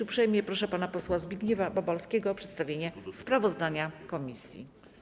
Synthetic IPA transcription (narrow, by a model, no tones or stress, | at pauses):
upʂɛjmɲɛpɾɔʂɛpanapɔswazbʲiɡɲɛvababalskʲɛɡɔːpʂɛt̪st̪avʲjeɲɛspɾavɔzd̪aɲakɔmʲisʲjḭ